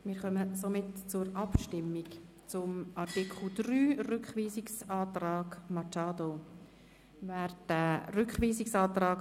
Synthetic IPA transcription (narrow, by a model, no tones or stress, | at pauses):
mɪːɾχœməsomɪtt͡sʊɾɑpʃtɪmːɪk | t͡sʊmɑrtikχl̩ˠd̪ɾyːrʏkχʋiːsɪksɑːtrɑːɡmɑt͡ʃɑːdo | vɛːɾd̥æɾʏkχʋiːsɪksɑːt̪rɑːk